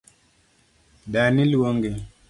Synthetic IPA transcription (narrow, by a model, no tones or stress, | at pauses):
ɗanilwoŋɡe